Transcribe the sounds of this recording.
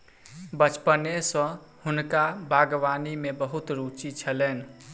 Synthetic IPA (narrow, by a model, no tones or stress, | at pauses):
bət͡ʃpənesə̃ | hunkabʱaɡʋanimebəɦut̪ɾut͡ʃit͡ʃʰəlɛn